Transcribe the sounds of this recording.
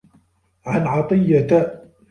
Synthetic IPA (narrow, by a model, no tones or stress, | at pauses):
ʕanʕɑt̪ˤɨjːa